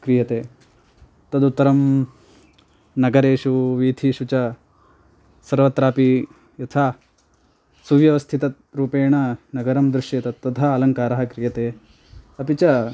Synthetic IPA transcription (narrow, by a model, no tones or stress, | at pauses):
kɾijɐt̪eː | t̪ɐd̪ut̪ːɐɾɐm | nɐɡɐɾeːʃuʋiːd̪ʱiʃut͡ʃɐ | sɐɾʋɐt̪ɾaːpi | jɐt̪ʰaː | suʋjɐʋɐst̪ʰit̪ɐ | ɾuːpeːɳɐnɐɡɐɾɐmd̪ɾuʂjet̪ɐt̪ːɐd̪ʱɐːlɐŋkaːɾɐɦɐkɾijɐt̪eː | ɐpit͡ʃɐ